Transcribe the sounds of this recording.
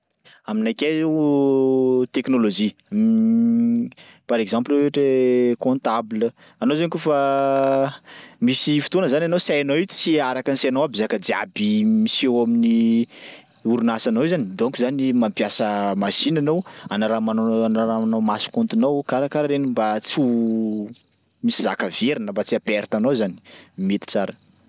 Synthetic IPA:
aminajkʲe | t̪eknolod͡ʒi | paɾekzãmpleʈ͡ʂekõnt̪ablə | anowzanikufa | misifi̥t̪onəzanʲanosajanowit͡si̥t͡siaɾakanseanowabizakəd͡z̪ia̰bimisewamini | uɾunasanowzanid̪oŋkuzanimampjasəmasinanowanaɾamanoanaɾaanomasi̥kõnt̪unawkaɾakaɾaɾenimbat͡su | misiza̰kəveɾinəmbat͡siapɛɾt̪anowzani̥met̪i̥t͡saɾə̥

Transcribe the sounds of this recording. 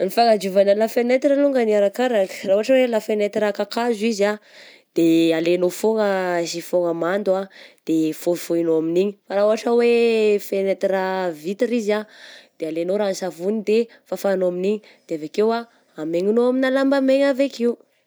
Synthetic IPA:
nifaŋad͡ʒuvanəlafenet̪iɾəluŋɡəniaɾakaɾakə̥rauaʈ͡ʂəwelafenet̪iɾakakazuiza | d̪̥ealenofoŋəsifoŋəmand̪uad̪̥efofoinoaminiɲifaɾauaʈ͡ʂəwefenet̪iɾavit̪iɾizad̪̥ealenoɾansavunid̪e | fafanoaminiɲi | d̪̥eavekewa | ameŋinoaminalambameɲavekiu

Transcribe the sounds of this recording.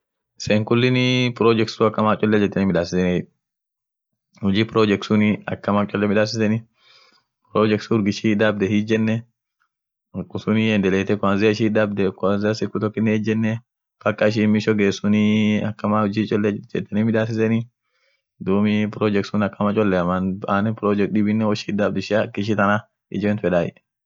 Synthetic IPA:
ɪseːŋkʊlːɪnɪpɾoːd͡ʒɛksuɐkːɐmaːt͡ʃʼɔlːɛd͡ʒɛt̪ːɐnimɪᶑaːsɪsɛn | hʊd͡ʒiːpɪɾoːd͡ʒɛksʊniɐ̰kːɐmaːt͡ʃʼɔlːɛmɪᶑaːs̬ɪsɛnɪ | pɾoːd͡ʒɛksʊɾɡɪʃid̪abd̪ɛhid͡ʒɛnːɛ | kʼːʊsʊniɛnd̪ɛleːt̪ɛkʊaːnzɪʃ̬iːd̪ɐb̚d̪ɛkaːnzɪɐsɪkːʊt̪ɔkːɪnːɛɛd͡ʒɛnːɛ | fɐkːɐɪʃ̬imɪʃɔɡeːsʊniɐkːɐmaːhʊd͡ʒit͡ʃʼɔlːɛd͡ʒɛt̪ːɐnimɪd̪aːs̬ɪsɛni | d̪uːmipɾɔd͡ʒɛk̚sʊnɐkːɐmɐt͡ʃʼɔlːɛɐmanaːnɛpɾɔd͡ʒɛk̚d̪ɪbɪnːɛwɔʃid̪abd̪ɛʃɐkːɪʃ̬it̪ɐna | ɪ̰d͡ʒɛɛnt̪fɛᶑaːɪ̰ᶑ

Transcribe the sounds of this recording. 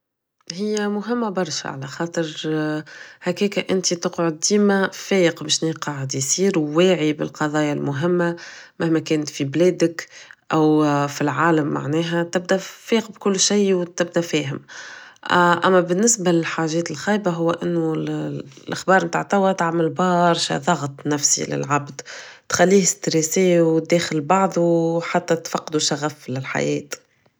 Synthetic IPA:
hɪjːæmʊɦɪmːabɑɾˤʃa̰ʕa̰læxɑːt̪ˤɨɾ | hækɛːkaʔɪnt̪it̪ʊqʕʊd̪̚ːiːmæfɛːjəqbeʃniːqɑʕɪd̪jsiːɾwwæːʕibɪ̰lqɑðˤɑːjalmʊɦɪmːamæhmækɛːnt̪fiblɛːd̪ɪkʔæwfilʕaːlamːa̰ʕnɛːɦæt̪ɪb̚d̪æfɛːqbkʊlːʃajwt̪ɪb̚d̪æfɛːɦɪm | ʔæ̰mːæbɪnːɪsbalɪlħaːʒɛːt̪ɪlxiːjbaɦʊwːʔɪnːʊ | lʔaxbɑːɾˤmt̪a̰ʕt̪awæt̪aʕmɪlbɑːɾˤʃa̰ðˤɑɣt̪ˤnæfsḭlɪ̰lʕabd̪t̪xalːiːhɪst̪ɾeːseːwd̪ɛːxɪlbɑʕðˤuħat̪ːɛt̪fɑqːd̪uʃaɣæflɪlħa̰jɛːt̪

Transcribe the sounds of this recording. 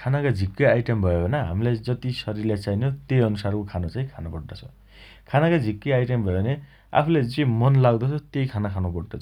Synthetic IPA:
kʰanakad͡zʱikːʌajʈembʱʌjobʱʌnaɦa̰milajd͡zʌt̪isʌɾirlat͡sajnot̪ejʌnusarkokʰanot͡saĩkʰanabʌɽd̪ʌt͡sʰʌ̥ | kʰanakad͡zʱikːʌjajʈembʱʌjobʱʌne | a̰pʰuled͡zimʌnlaɡd̪ʌt͡sʰʌt̪ejkʰanakʰanobɔɽdʌ

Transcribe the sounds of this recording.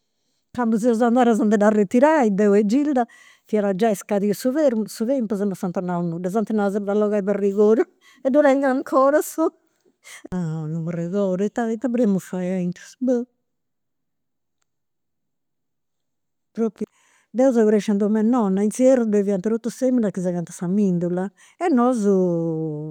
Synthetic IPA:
kambuzɛɔzand̪aːɾazɔnt̪ɛd̪aret̪iɾaid̪ɛwɛd͡ʒild̪a | fiaɾad͡ʒaɛskaðiusuvɛɾmsuðɛmpuzɛmɔsant̪ɔɾnaunːud̪azɔnt̪ɛnazɛdalɔɣaiβɛrːiɣoːɾu | ɛd̪uɾaiŋɡaŋkʰɔɾasu | anumurɛɣɔːɾɛt̪ːat̪ːaβɾemufajaint̪ɾusbə | pɾopːi | d̪ɛuzaɣuɾɛʃand̪umɛnːɔnːainsiɛɾubeviant̪ɛɾot̪ːusemilakːizaɣant̪ḁsamind̪ulːa | ɛnːɔzu

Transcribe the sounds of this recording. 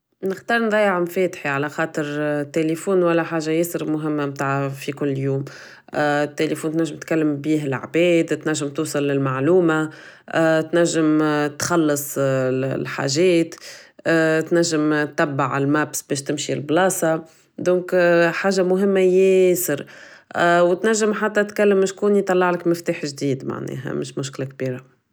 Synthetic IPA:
nɪxt̪ɑːɾˤnðˤɑːjɪʕmfɛːt̪ħiʕalæxɑːt̪ˤəɾt̪ːelefuːnwælːæħaːʒajɪsəɾmʊɦɪmːamt̪aːʕfikʊlːjuːm | t̪ːelefuːnt̪næʒːɪmt̪kalːəmbiːɦɪla̰ʕbɛːd̪t̪næʒːɪmt̪uːsˤɑlːɪlmaʕluːma | t̪næʒːɪmt̪xɑlːɨsˤlħa̰ːʒɛːt̪ː | t̪næʒːɪmt̪ːæbːaʕɪlmæbsbɛːʃt̪ɪmʃilblɑːsˤɑ | d̪ɔ̃ːkħaːʒamʊɦɪmːajɪsɪɾ | wt̪næʒːɪmħat̪ːæt̪kælːəmːɪʃkuːnjt̪ˤːɑlːɑʕlɪkmɪft̪uːħʒd̪iːd̪ma̰ʕnɛ̰ːɦæ̰mɪʃmʊʃklak̚biːɾa

